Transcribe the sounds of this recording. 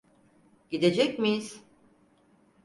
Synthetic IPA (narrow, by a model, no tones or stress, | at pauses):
ɟid̪e̞d͡ʒɛcmijiz̥